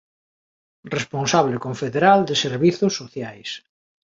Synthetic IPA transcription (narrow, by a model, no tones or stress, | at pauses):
responsaβlekoɱfeðeɾald̪eseɾβiθʊsːoθjajs